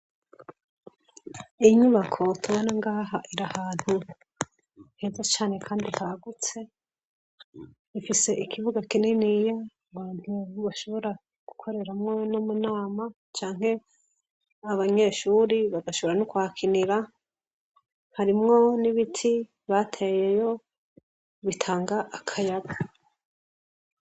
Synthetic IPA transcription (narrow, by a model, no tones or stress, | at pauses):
iɲuβakʰo̞tʰuβonaŋɡaːɦaʔiɾahaːn̥hu | n̥hezat͡ʃaːne̞kʰaːnditaɡut͡se̞ | ifise̞ikʰiβuɡakinenija | ŋɡwaːdiβaʃo̞βo̞ɾa | ɡ̥u̥kʰo̞ɾe̞ɾamŋonomunaːma | t͡ʃaːŋ̥he̞ | aβaɲe̞ːʃuːɾiβaɡaʃo̞βoɾanukuakʰiniɾa | haɾimŋo̞niβitʰi | βatʰe̞je̞jo̞ | βitʰaːŋɡaʔːkʰajaɡa